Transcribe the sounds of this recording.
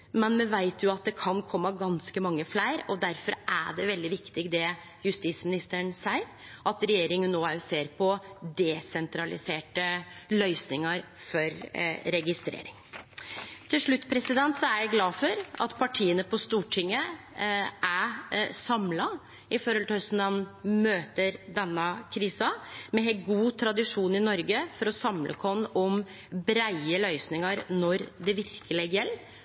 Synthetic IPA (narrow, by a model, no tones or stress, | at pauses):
mɛnmɛʋæɪt̪ʰjʊɑt̪̚d̪ɛkʰɑnkʰɔmːəɡɑnskəmɑŋːəflæɪɾɔd̪æɾfɔɾʔæɖɛʋɛld̪ɪʋɪkt̪ɪɡd̪ɛ | jʉst̪iːt̪smɪnɪst̪əɳsæɪ | ʔɑt̪ɾɛjeːɾɪŋənːoːæɾjʊseːɾpʰɔd̪ɛsɛnt̪ʰɾɑlɪ̰seːʈəlœʏsnɪŋɑɾ | fɔɾɾɛɡɪst̪ɾḛːɾɪŋ | t̪ʰɪlʂɭʉt̪ːpʰɾɛsɪd̪ɛnt̪sɔæɾjæɪɡlɑːfɔɾɑ̰t̪pʰɑʈʰiːənəpʰɔst̪uːʈʰɪŋːə | ʔæsɑmlɑ | ɪfɔːɾhɔlhœsnɑnmøːt̪əɾd̪ɛnːɑkʰɾiːsɑmɛɛɡuːt̪ʰɾɑd̪ɪʂuːnɪnɔɾɡəfɔɾɔsɑmlʔə̰kʰɔnːɔm | bɾæɪəlœʏsnɪŋəɾnɔɾd̪ɛʋɪɾkəlɪɡjɛlː